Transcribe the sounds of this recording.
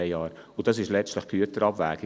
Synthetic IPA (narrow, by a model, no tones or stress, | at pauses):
ɑːɾʊd̥ɑs̬ɪʃlɛt͡stləχɡ̥yətəɾɑbvæ̰ːɡ̥ɪ